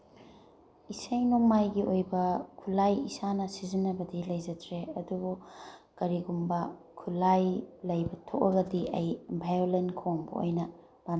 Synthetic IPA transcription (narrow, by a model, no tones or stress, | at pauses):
isɐjnoŋmajɡiojbɐkʰulajḭsanɐsizinːɐbɐdilɐjd͡ʒɐdɾeɐdubukɐɾiɡumbɐ | kʰulajlɐjbɐtʰok̚ɐɡɐdiʔɐjbʱajolenkʰoŋbɐ̰o̰jnɐ | b̥a